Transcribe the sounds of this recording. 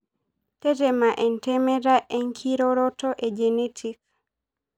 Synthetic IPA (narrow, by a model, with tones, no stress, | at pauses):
te˦te˨ma˨ʔe˨nteme˦ɾa˦ʔe˦ŋkʰiɾoɾɔtɔʔe˨d͡ʒenetʰik̚